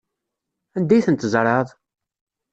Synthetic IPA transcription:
ænd̪æjθənt̪zˤɾˤɑðˤ

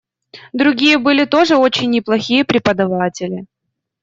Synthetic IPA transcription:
d̪ɾʊɡʲijəbɨlʲɪt̪o̞ʐɨo̞t͡ɕɪnʲːɪplˠɐxʲijəpɾʲɪpəd̪ɐvatʲɪlʲɪ

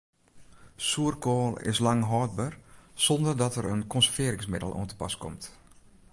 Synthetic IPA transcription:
suərkoːlˠɪ̰slɑŋɦɔːd̚bərsɔndərdɔtəɾənkɔnsəvɪəɾɪ̃ŋsmɪdəlˠʔṵəntə̥pa̰skɔ̰mt

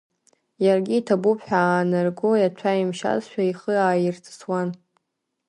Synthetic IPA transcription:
jarɡʲiːtʰabupʰħʷᶣaːnarɡojat͡ʃʷʰaimʃa̰zʃʷᶣaiχəaːjɪrt͡sʰʼswan

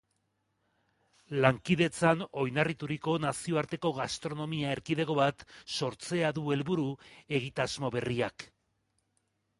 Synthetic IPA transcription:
laŋkiðe̞t͡sano̞jnarit̪uɾiko̞nasio̞aɾt̪e̞ko̞ɣast̪ɾo̞no̞miae̞ɾkiðe̞ɣo̞βat̪so̞ɾt͡se̞aðue̞lβuɾue̞ɣ̞it̪azmo̞βe̞riak

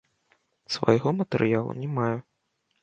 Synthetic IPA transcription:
svɐ̰jɣɔmɐt̪ɛɾʔɨjalˠṵnʲɛmaju

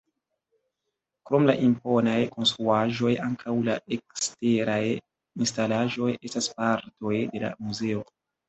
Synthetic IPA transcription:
kɾo̞mlaʔimpo̞najko̞nstɾuaʒo̞jaŋkʰawlaekste̞ɾaj | instalaʒo̞je̞staspaɾto̞jde̞la̰muze̞o̞

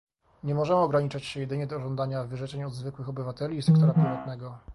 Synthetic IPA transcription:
ɲɛmɔʐɛmɘɔɡɾaɲit͡ʂat͡ɕɕɛjɛd̪ɘɲɛd̪ɔːʐɔnd̪aɲavɘʐɛt͡ʂɛɲɔd̪zvɘkwɘxɔbɘvat̪ɛlʲiːsɛkt̪ɔɾapʲɾɘvat̪nɛɡɔ

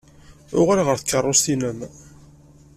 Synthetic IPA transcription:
ʊʁalʁəɾθə̥kːərˤːost̪inəm

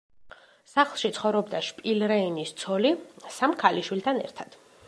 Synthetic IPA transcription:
saχlˠʃit̪sʰχɔvɾɔbd̪aʃpʼilɾɛinist̪sʰɔlisamkʰaliʃwilt̪ʰanɛ̰ɾt̪ʰad̪̥

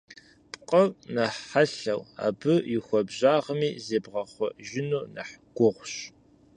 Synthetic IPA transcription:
pʼqʼɐvnɐħħaɬɐwa̰ːbɨjɪxʷɔbʑaːʁəmiːzeːbʁɐχʷɔʒɪnuːnɐ̰ħɡ̥ʷʊʁʷɕ

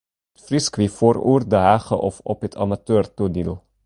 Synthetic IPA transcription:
tfriskʋifoːɾṵːrdəɦæːχə̰ʔɔfɔpət̪ʰɑ̰matøːrtudilˠ

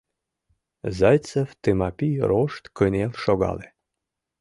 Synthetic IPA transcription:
zɑjt͡seft̪emɑpʲiɾoʃt̪kənʲelʃoɣɑ̰le

